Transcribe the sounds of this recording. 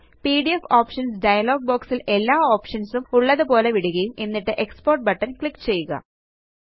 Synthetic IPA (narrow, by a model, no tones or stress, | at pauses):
piːɽiefoːpʂɐnsɖɐjɐlo̞ːɡ̚boːksile̞lːaːoːpʂɐnsumuɭːɐðɨpo̞ːle̞ʋiɽuɣɐjume̞nːiʈːɨʔe̞kspoːrʈ̚bɐʈːɐnkɭikːt͡ɕe̞jːuɣɐ̰